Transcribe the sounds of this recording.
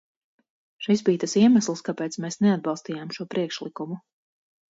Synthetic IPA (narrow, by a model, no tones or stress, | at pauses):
ʃisbiːt̪asiɛmaslˠskapɛːt̪smɛːsnɛad̪̚bɑlˠst̪iːjaːmʃuɔpɾʔiɛkʃlˠikumu